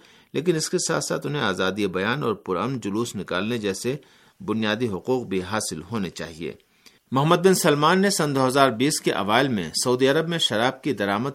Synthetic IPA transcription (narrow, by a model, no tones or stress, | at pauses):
lʔḛːk̬ɪnɪskesa̰ːt̪ʰsa̰ːt̪ʊnɦẽaːzaːd̪iebɐjaːnɔːɾpʊɾɐ̰mnd͡ʒʊluːsnɪka̰ːlned͡ʒɛːse | bʊnijaːd̪iɦʊquːq̚bʱiɦaːsɪlɦoːnet͡ʃa̰ːɦiḛː | mʊɦəmːəd̪̚bɪnsɐlmaːnːesɐ̃nd̪oːɦɐzaːɾbiːskeʔɐ̰ʋaːɪlmḛ̃sɐuːd̪iɐɾəbmẽʃɐɾaːb̚kid̪ɐɾaːməd̪̚